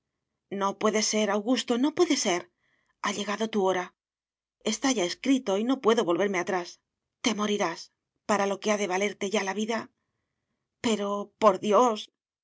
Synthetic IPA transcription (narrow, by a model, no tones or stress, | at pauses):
no̞pwe̞ðe̞se̞ɾawɣust̪o̞no̞pwe̞ðe̞se̞ɾ | aʎe̞ɣaðo̞t̪uo̞ɾa | e̞st̪aʝae̞skɾit̪o̞ino̞pwe̞ðo̞βo̞lβe̞ɾme̞at̪ɾas | t̪e̞mo̞ɾiɾas | paɾalo̞ke̞aðe̞β̞ale̞ɾt̪e̞ʝalaβiða | pe̞ɾo̞po̞ɾðjo̞s